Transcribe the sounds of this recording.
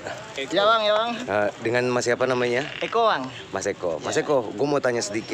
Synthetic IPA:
d͡ʒawaŋd͡ʒawaŋədəŋanmasiapanamaɲaɛkowaŋ | masekɔ̰masekɔɡuamot̪aɲasədikɪ

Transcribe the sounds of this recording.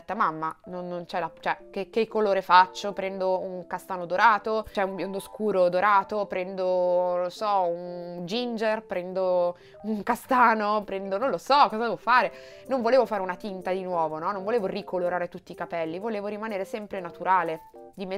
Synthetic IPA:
t̪ːamamːanonːont͡ʃɛlat͡ʃɛk̟ekːekːoloːɾefat͡ʃːopɾɛnd̪ouŋkast̪aːnod̪oɾaːt̪ot͡ʃɛumbjond̪oskuːɾod̪oɾaːt̪opɾɛnd̪onosɔund͡ʒind͡ʒerpɾɛnd̪o | uŋkast̪aːnopɾɛnd̪onõnlosɔkːɔːzad̪ɛːvofaːɾe | noɱvoleːvofaːɾeunat̪int̪ad̪inwɔːvonɔnːoɱvoleːvorikoloɾaːɾet̪ut̪ːikapɛlːivoleːvoɾimaneːɾesɛmpɾenat̪uɾaːled̪ime

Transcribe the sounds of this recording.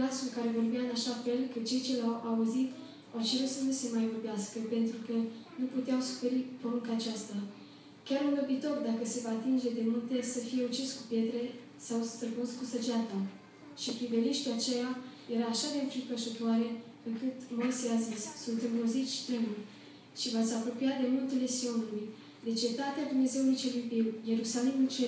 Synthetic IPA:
lasulkaɾe̞vo̞rbjaɨnaʃafe̞lkət͡ʃe̞jt͡ʃe̞lawauzit̪ | awt͡ʃe̞ɾut̪sənuse̞majvo̞rbeaskəpe̞nt̪ɾukənuput̪eawsu̥fe̞ɾipɾo̞nuŋkaːt͡ʃast̪a | kʲaɾunobit̪o̞rd̪akəse̞vaːt̪ind͡ʒe̞d̪e̞mult̪esəfije̞ut͡ʃiskupje̞t̪ɾe̞ | sawst̪ɾəbunskusəd͡ʒat̪a | ʃipɾive̞niʃt̪iat͡ʃejaje̞ɾaːʃad̪enfipəʃut̪oaɾe̞ | ɨŋkɨt̪mojseazissunt̪ɨmbozit̪sʲt̪imul | ʃivat̪sʲapɾo̞pijad̪e̞mult̪ele̞sio̞nuluj | d̪e̞t͡ʃe̞t̪at̪ead̪umne̞ze̞wulujt͡ʃe̞lujbiwje̞ɾusalimult͡ʃe

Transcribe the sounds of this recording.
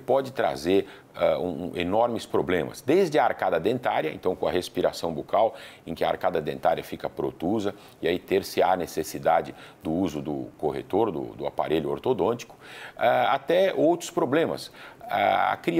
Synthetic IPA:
pɔd͡ʒɪt̪ɾa̰zeɾ | aũenɔɾmɪspɾoblẽmɐ̰sd̪ejzd͡ʒɪɐaɾkad̪ɐd̪ẽnt̪aɾjɐḛ̃t̪ɐ̃w̃kõɐɦespiɾasɐ̃w̃bokawẽkɪɐa̰ɾkad̪ɐd̪ẽnt̪aɾiɐfikɐpɾot̪uzɐ | ɪait̪eɾsɪanesesid̪ad͡ʒɪd̪ʊuzʊd̪ʊ̰koɦḛt̪oɾd̪ʊ̰d̪ʊa̰pa̰ɾeʎʊo̰ɾt̪od̪õt͡ʃi̥kʊ̥aa̰t̪ɛowt̪ɾʊspɾoblẽmɐ̰sa̰a̰kɾi

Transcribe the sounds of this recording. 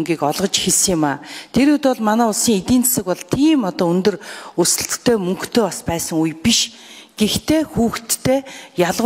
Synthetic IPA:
ŋɡʲiːkɔɮʁɞ̆t͡ɕxeɮs̆ŋjɪ̆maːt̪ʰeɾɵt̪ɔɮmanæːʊɮsiːŋet̪iːnt͡sḁsə̆kpɔɮt̪ʰiːmɔt̪ɔːɵnt̪ɵ̆rusɘ̆ɬt̪ɘ̥̆t̪ʰeːmɵŋkt̪ʰeːaspæːsə̆ŋujpiʃ | ɡ̥ext̪ʰeːxuːxt̪ʰːeːjaɮʁ

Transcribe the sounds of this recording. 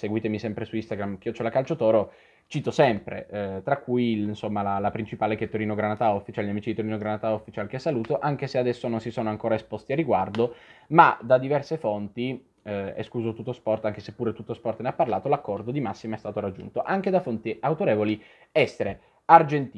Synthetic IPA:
seɡwiːt̪emisɛmpɾesuist̪aɡɾamkiot͡ʃolakalt͡ʃot̪ɔːɾo | t͡ʃiːt̪osɛmpɾḛt̪ɾakːujlnsomːalalapɾint͡ʃipaːleket̪ːoɾiːnoɡɾanat̪aofːit͡ʃalʎjamiːt͡ʃid̪it̪oɾiːnoɡɾanat̪aofːit͡ʃalk̟esːaluːt̪oʔaŋk̟esead̪ɛsːononsisoːnoaŋkoːɾaespost̪iarːiɡward̪oma̰d̪ad̪ivɛrsefont̪i | ḛskuːzot̪ut̪ːospɔrt̪aŋk̟esepːuːɾet̪ut̪ːospɔrt̪neapːarlaːt̪olakːɔrd̪od̪imasːimoɛst̪aːt̪oɾad͡ʒːṵnt̪oʔaŋk̟ed̪afont̪iawt̪oɾeːvoli | ɛst̪eɾe | ard͡ʒent̪i

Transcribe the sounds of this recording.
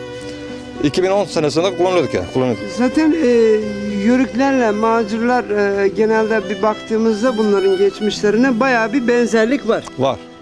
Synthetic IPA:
icʰibino̞nsenesind̪ɛkʰulˠanlˠjod̪ukja̰kʰulˠːanzaːt̪ʰænɛjøɾyclʲæɾlʲɛmaːd͡ʒɯɾlˠaɾɯːɟe̞nælʲd̪ɛbibakt̪ʰɯːmɯzd̪abunlˠaɾɯnɟet͡ʃmiʃlʲeɾɯnabajaːbibɛnzæɾlʲicvaɾ̥vaɾ̥

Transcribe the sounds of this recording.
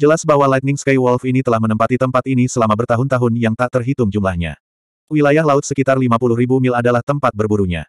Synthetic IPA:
d͡ʒəlasbawalajt̪̚nɪŋskajwɔlfinit̪əlahmənəmpat̪it̪əmpat̪inisəlamabərt̪aɦʊnt̪aɦʊnjaŋt̪aʔt̪ərɦit̪ʊmd͡ʒumlahɲa̰ | wilajahlaʊt̪̚səkit̪arlimapulʊɦribumɪladalaht̪əmpat̪̚bərbuɾuɲa̰

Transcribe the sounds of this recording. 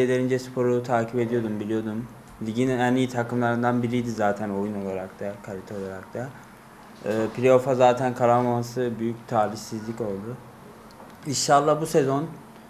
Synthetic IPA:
elʲe̞ɾind͡ʒɛspʰo̞ɾut̪ʰaːcʰipe̞d̪ijo̞d̪umbilʲijo̞d̪um | ziɟininɛnːijit̪ʰakʰɯmlˠaɾɯnd̪anbiɾijd̪izaːt̪ʰæno̞juno̞lˠaɾakt̪ʰakʰalʲit̪ʰɛo̞lˠaɾak̚t̪ʰa | pʰilʲio̞fazaːt̪ʰænkʰaɾamamasɯbyjyct̪ʰaːɾiçsizlʲico̞lˠd̪ʊ | iʃalˠːahbuse̞zo̞n

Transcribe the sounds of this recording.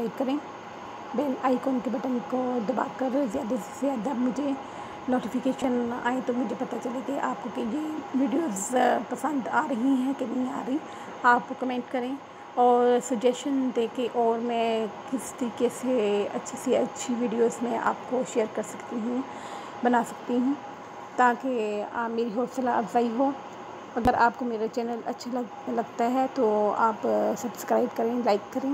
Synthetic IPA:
aɪɖ̚kɐɾẽː | beːlaːɪkoːnkebɐʈənkod̪ɐba̰ːkɐɾzjaːd̪azjaːd̪ɐbmʊd͡ʒʱe | noːʈifɪkeːʃəna̰ːẽt̪omʊd͡ʒʱepɐt̪at͡ʃɐlekeʔaːp̚kokejeʋiːɖijoːzpɐsə̃nd̪aːɾɐɦĩɦɛ̃kenɐɦĩa̰ːɾɐɦĩ | aːp̚okɐmẽːɳʈkɐɾẽ | ɔːɾsɐd͡ʒɛsʈənd̪eːkʰẽʔɔːɾmɛ̃kɪst̪ɐɾiːkeseɐ̰tːʃʰeseɐtːʃʰiʋiːɖijoːzmẽʔa̰ːpkoʃeːəɾkɐɾsɐkt̪iɦũ | bɐnaːsɐ̥k̚t̪iɦũ | t̪aːkemeːɾiɦoːɾsɐlaɐbzaːiɦoː | ɐɡəɾaːpkomeːɾat͡ʃɛːnəlɐ̰tːʃʰal | lɐɡt̪aɦɛt̪oaːpsɐbskɾaːɪbkɐɾẽːlaːɪkːɐɾẽː

